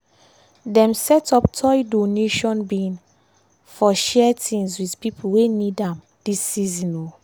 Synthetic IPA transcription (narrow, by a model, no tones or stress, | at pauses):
dɛ̃msɛtɔptʰɔjdoneʃɔ̃nbĩn | fɔʃɛtĩŋswidpipʰuwenidãm | d̥isːizĩno